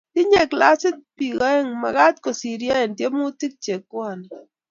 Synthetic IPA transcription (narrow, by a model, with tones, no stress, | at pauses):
ti˦ɲe˦˨kla˦sɪ˦t̚pi˨kɔ˦ɛ˦ŋma̰˨ɣa˦t̪ko˨si˨ɾja˦ɛ˨ntje˦mu˦ti˦k̚t͡ʃe˨kːwa˨n˨